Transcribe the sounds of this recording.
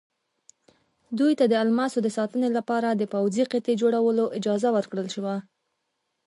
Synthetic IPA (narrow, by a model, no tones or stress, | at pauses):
d̪ujt̪ad̪əalmasod̪əsɑt̪ənelapɑɾad̪əpawziqet̪ed͡ʒoɽawəloʔɪd͡ʒɑzawəɾkɽəlʃəwa